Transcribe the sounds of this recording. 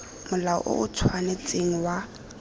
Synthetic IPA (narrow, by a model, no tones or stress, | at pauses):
mʊlaɔ̰ʔo̰ʔʊt͡sʰwanet͡sʼeŋ̩wa